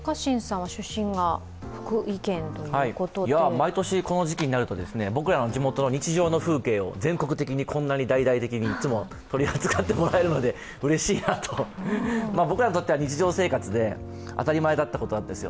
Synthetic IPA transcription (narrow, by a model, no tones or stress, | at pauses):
kaɕĩɰ̃sãɰ̃βaɕɨɕːĩŋɡa | ɸɯ̥kɯikẽ̞nt̪ojhaikot̪ojamait̪o̞ɕiko̞no̞ʑikʲiɲ̟inaɾɯ̟t̪o̞d̪e̞sɨne̞bo̞kɯ̟ɾano̞d͡ʑimo̞t̪ono̞ɲ̟it͡ɕiʑo̞ːno̞ɸɯ̟ːke̞ːo̞̰d͡zẽ̞ŋko̞kɯ̟t̪e̞kʲiɲ̟ikʰõ̞nːaɲ̟id̪aid̪ait̪e̞kʲiɲ̟iːt͡sɨmo̞ | t̪o̞ɾʲiat͡sɨkat̪ːe̞mo̞ɾae̞ɾɯ̟no̞d̪e̞ | ɯ̟ɾe̞ɕiːnat̪ʰo̞ | maːbo̞kɯ̟ɾaɲit̪o̞t̪ːeaɲ̟it͡ɕiʑo̞ːse̞ːkat͡sɨd̪e̞ | a̰t̪aɾʲimaed̪at̪ːako̞t̪o̞nãnd̪e̞sɨjo̞